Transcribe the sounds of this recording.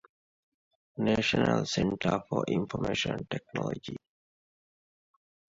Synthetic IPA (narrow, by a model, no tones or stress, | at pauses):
neʃɔnalsɛ̃nʈʰəfɔʔĩɱfɔmeʃɔ̃nʈɛk̚nɔlɔd͡ʒi